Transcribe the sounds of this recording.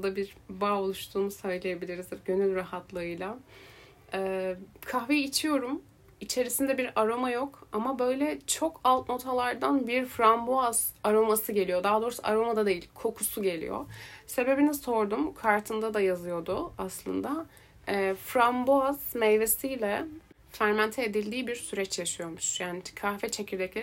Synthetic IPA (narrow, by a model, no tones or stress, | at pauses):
d̪abiɾbaːo̞lˠuʃt̪ʰuːmusajlˠejabilʲiɾizɟø̞nylʲɾahat̪lˠɯɯjlˠa | ɛːkʰahvejːt͡ʃʰijo̞ɾum | it͡ʃʰe̞ɾisind̪ɛbiɾaɾo̞majo̞kamabø̞jlʲɛt͡ʃʰo̞kʰalˠt̪no̞t̪ʰalˠaɾd̪anbiɾfɾamboaz̥aɾo̞masɯɟe̞lʲijo̞d̪aːd̪o̞ːɾusa̰ʔaɾo̞mad̪ad̪e̞jilʲkʰo̞kʰusuɟe̞lʲḭjo̰se̞be̞biniso̞ɾd̪umkʰaɾt̪ʰɯnd̪ad̪ajazɯjo̞d̪ʊaslˠɯ̰nd̪a | ɛːfɾamboaz̥mɛjve̞sijlʲɛ | fæɾmænt̪ʰɛːd̪ilʲd̪iːbiɾsyɾɛt͡ʃjaʃɯjo̞muʃjaːnikʰahfɛt͡ʃʰecʰiɾd̪ɛclʲe